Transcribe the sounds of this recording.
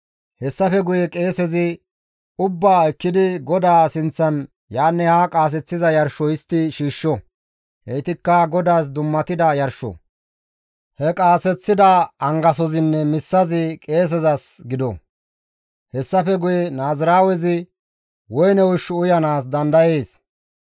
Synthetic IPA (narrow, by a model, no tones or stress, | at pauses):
hɛsːɐfɛɡʊjɛkʼe̞ːsɛzɪ | ʊbːaːɛkːɪd̪ɪɡɔd̪aːsɪnt͡sːɐn | jaːnːɛhakʼaːs̬ɛt͡sːɪzɐjɐɾʃɔjɪst̪ːɪʃiːʃːɔ | ʔɛjt̪ɪkːɐɡɔd̪aːs̬d̪ʊmːɐt̪ɪd̪ɐjɐɾʃɔ̰ | hɛkʼaːsɛt͡sːɪd̪ɐːŋɡɐsɔzɪnːɛmɪsːɐzɪkʼe̞ːs̬ɛzɐsɡɪd̪ɔ̰ | hɛsːɐfɛɡʊjɛnaːzɪɾaːwɛzɪ | wɔjnɛwʊʃːʊʊjɐnaːsd̪ɐnd̪ɐjeːs